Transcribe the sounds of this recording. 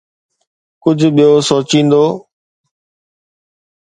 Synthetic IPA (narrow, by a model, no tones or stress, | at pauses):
kʊd͡ʑʱɓijosoːt͡ɕĩːn̆d̪oː